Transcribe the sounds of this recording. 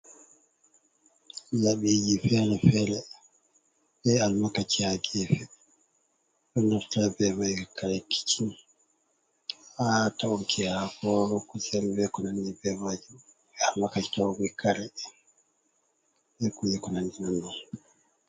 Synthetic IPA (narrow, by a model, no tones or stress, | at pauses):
jaɓid͡ʒifɛɾɛfɛɾɛ | bɛalmakat͡ʃihaɡɛfɛ | ɗɔndɔɾtabɛmad͡ʒuɛkaɾɛki̥t͡ʃin | atauŋkʰihakɔɾɔkɔsɛlbɛkɔnandibɛmad͡ʒum | ɛalmakat͡ʃi̥tawɡɛkʰaɾɛ | bɛkujɛkɔnandinandi